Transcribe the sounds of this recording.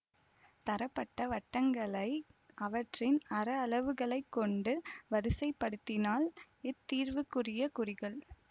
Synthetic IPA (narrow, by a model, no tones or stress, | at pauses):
t̪ɐɾɐpːɐʈːɐʋɐʈːɐŋɡɐɭɐɪ | ʔɐʋɐʈrɪnɐɾɐːɭɐʋɯɣɐɭɐɪkːɔɳɖɯʋɐɾɯsɐɪpːɐɽɯt̪ːɪnaːl | ɪt̪ːiːɾʋɯkːɯrɪjɐkʊrɪɣɐɭ